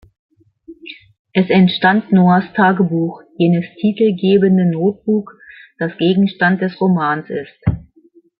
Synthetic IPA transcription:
ʔɛsɛntʃtantnoːastʰaːɡəbuːxjeːnəstʰiːtl̩ɡeːbəndənoːt̚b̥uːkd̥asɡ̥eːɡŋ̩ʃtant̚d̥ɛsʁomaːnsɪst

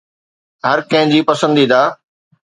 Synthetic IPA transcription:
ɦɐɾkɐ̃ɦɪ̃d͡ʑiːpɐsə̃nd̪iːd̪aː

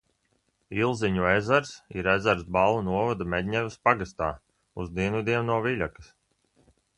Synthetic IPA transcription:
ilˠziɲuezaɾsiɾezaɾsbalˠunuɔvad̪amɛd̪ʲɲʲɛvispaɡast̪a̰ː | uzd̪iɛnuvid̪iɛnnuɔvilʲakɨ̥s

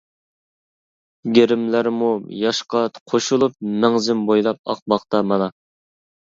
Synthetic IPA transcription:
ɡʲeɾɪmlæɾmujɑʃqɑqʰoʃulˠup̚mɛŋzɪmbojlˠɑp̚ɑ̰q̚bɑχt̪ɑmɑnɑ

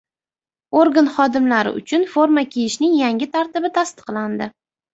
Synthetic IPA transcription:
oɾɡanχɒd̪ɪmlaɾɪ̰ʊ̰t͡ʃʰʊnfoɾmakʲʰejɪʃnɪŋjaŋʲɪt̪ʰaɾt̪ɪbɪt̪ʰast̪ɨ̥qlˠand̪ɪ

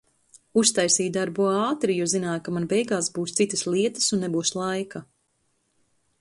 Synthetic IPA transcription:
ust̪ajsiːd̪aɾbuaːt̪ɾijuzinaːjkamanbɛjɡaːsbuːst̪sit̪əslˠiɛt̪ə̥sunːebuːslˠajka

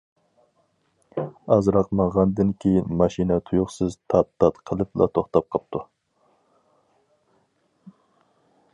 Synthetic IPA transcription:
ɑzɾɑqmɑʁɑnd̪ɨnkʲʰejinmɑʃinɛt̪ʰujʊχsɨzt̪ʰɑt̪ːɑt̪qʰəlˠɨplˠɑ̰t̪ʰoχt̪ɑp̚qʰɑp̚t̪ʰu

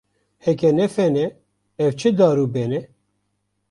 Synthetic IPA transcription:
hɛkɛnɛfɛnɛ | ɛvt͡ʃʰɨd̪ɑːɾuːbɛnɛ

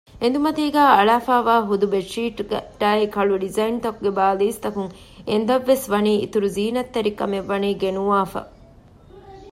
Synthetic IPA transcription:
end̪umɐt̪iːɡæːɐɭaːfaːʋaːɦud̪ubeʂiːʈɡɐ̰ʈ̪ːaːekɐɭuɖizɐint̪ɐkuɡebaːliːst̪ɐkuŋ | end̪ɐʋːesʋɐniːḭt̪uɾuziːnɐt̪ːeɾikɐmeʋːɐniːɡenuʋaːfɐ̰

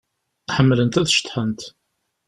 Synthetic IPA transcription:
ħəmːlənt̪æðʃə̥t̪ːħənt̪

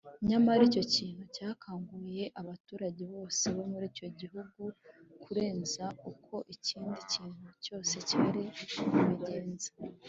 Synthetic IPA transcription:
ɲamaɾico̞ciːn̥hucaːkʰaːŋɡuje̞ʔaβatuːɾaɟe̞βo̞ːse̞βo̞muɾiːco̞ɟiɦuɡukʰuɾe̞ːnzaukʰo̞ʔiciːndiciːn̥huco̞ːse̞ciaɾiuβiɟe̞ːnzḁ

